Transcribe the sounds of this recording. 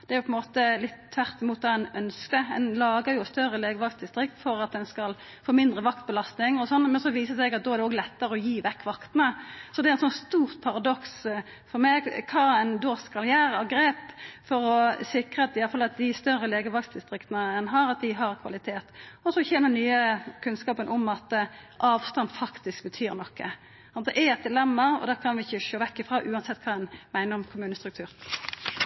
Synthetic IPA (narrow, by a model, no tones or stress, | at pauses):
d̪ɛæɾjʊpʰɔɛnmoːt̪əlɪt̪t̪ʰʋæʁt̪ɪmuːt̪ʰɑːɛnœnskəɛ̰nlɑːɡəjʊst̪œʁəleːɡəʋɑkst̪d̪ɪst̪ɾɪkt̪fɔɾɑt̪̚d̪ɛnskɑl | foːmɪnd̪ɾəʋɑkt̪̚bəlɑst̪nɪŋɔsɔnːmɛnsɔʋiːsəsɛɡɑt̪̚d̪ɔːæɾdɛoːɡlɛt̪ːəʁəɔjiːʋɛkːʋɑkt̪nəsɔd̪ɛæɾɛnsɔnst̪uːʁt̪̚pʰɑʁɑd̪ɔks | fɔʁmɛɡkʰɑːɛnd̪oːskɑljæːɾɑɡɾeːpfɔɾɔsɪkʁəɑt̪ɪjɑləfɑlɑt̪̚d̪ɪst̪œʁːəleːɡəʋɑɡsd̪ɪst̪ɾɪkt̪ənəɛnɦɑɾɑt̪̚d̪ɪɦɑʁkʰʋɑ̰lɪt̪ʰeːt̪ɔsɔçɛnənyːəkʰʉnskɑːpənʔɔmɑt̪ʔɑːʋst̪ɑnd̪fɑkt̪ɪsk̚bət̪ʰyːɾnɔkːə̰ | sɑnd̪ɛʔæɛt̪̚d̪ɪlɛmːəɾɔ̰d̪æːkʰɑnʋɪɪçːəʃoːʋɛkːɪfʁɑːʔʉːɑnsɛt̪ːkʰɑːɛnmæɪnəɾɔmkʰʊmʉːnəst̪ɾʉk̚t̪ʰʉːɾ